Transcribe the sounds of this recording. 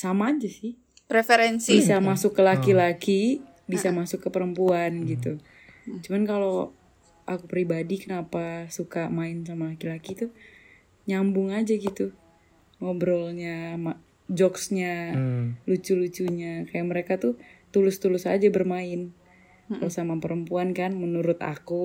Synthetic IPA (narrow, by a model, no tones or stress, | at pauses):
samaːd͡ʒasɪh | pɾefeɾɛnsibisamasʊkːəlakilaki | bisamasʊkːəpəɾəmpuanɡit̪u | t͡ʃumankalo | ʔakupɾibadikənapasukamaɪnsamalakilakit̪u | ɲambʊŋad͡ʒaɡit̪u | mobɾɔlɲama | d͡ʒɔksɲa | lut͡ʃulut͡ʃuɲakajaʔməɾekat̪ʊt̪ulʊst̪ulʊsa̰d͡ʒabərmaɪn | kalosamapəɾəmpuankanmənuɾʊt̪a̰ku